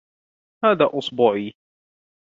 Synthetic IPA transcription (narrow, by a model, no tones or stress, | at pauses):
haːðaːʔʊsˤbuːʕiː